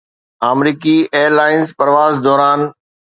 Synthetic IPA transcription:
aːmɾiːkieːəɾlaːɪnzpɐɾʋaːzd̪ɔːɾaːn

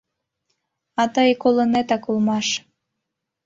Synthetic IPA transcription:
ɑt̪əjkolənet̪ɑkulmɑʃ

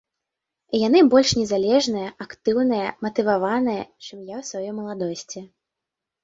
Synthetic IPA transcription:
janɨbɔlʲʂnʲɛzalʲɛʐnɨjɐakt̪ɨwnɨjɐmɐt̪ɨvavanɨjɐt͡ʂɨmjawsvajɔmɐlˠad̪ɔsʲt͡sʲi

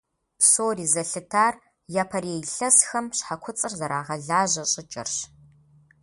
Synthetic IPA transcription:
psoːriːzɐɬɨtʰaːr | jaːpʰɐreːjɬɐsxɐmɕħakʷʰʊt͡sʼɨrzɐɾa̰ːʁɐɮaːʑɐɕʼɪt͡ʃʼɐ̰rɕ

